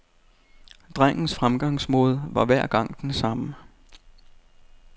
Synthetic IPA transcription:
d̥ʁaŋ̰n̩sfʁamɡ̥ɑ̈ŋ̰smɔð̞ˠʋɑ̈ʋæɐ̰ɡ̥ɑ̈ŋ̰d̥ensɑ̈mə

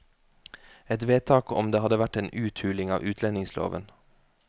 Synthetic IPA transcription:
ɛt̪ʋeːt̪ʰɑːkɔ̰md̪eːhɑd̪əʋæʈeːnʔʉːt̪ʰhʉːlɪŋɑ̰ːʋʔʉːt̪ʰlɛnɪŋslo̰ːʋən

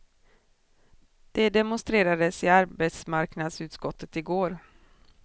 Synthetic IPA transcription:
d̪̥ɛd̪ɛmʊnst̪ɾeːɾad̪əsɪaɾbejt̪smaɾknad̪sʉ̟ːt̪skɔt̪ʰːət̪ɪɡoːɾ

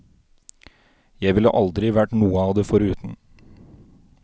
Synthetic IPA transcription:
jæɪʋɪlːə̰ʔɑld̪ɾɪʋæʈnuːəɑːʋd̪ɛfɔɾʉːt̪n̩

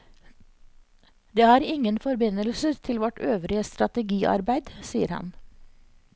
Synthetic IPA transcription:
d̪eːhɑːɾɪŋənfɔɾbɪnəlsət̪ʰɪlʋɔʈʰøːʋɾɪəst̪ɾɑt̪əɡiːʔɑ̰ɾbæɪd̪siːəɾhɑ̰n

